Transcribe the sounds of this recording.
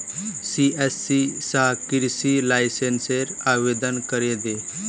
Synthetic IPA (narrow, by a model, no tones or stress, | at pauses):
siesːisakiɾsilajsenseɾaʋed̪ənkəɾed̪e